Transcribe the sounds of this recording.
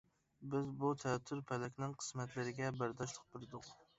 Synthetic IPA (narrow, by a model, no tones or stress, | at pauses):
bɪzbut̪ʰɛt̪ʰːyɾpʰɛlɛkʲnɪŋqʰə̥smɛt̪lɪɾɪɡʲɛbæɾd̪ɑʃlˠə̥q̚bɪɾɨd̪ʊq